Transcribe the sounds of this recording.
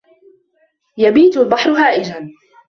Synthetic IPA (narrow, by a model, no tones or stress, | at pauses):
jabiːt̪albɑħɾʊɦaːʔɪd͡ʒan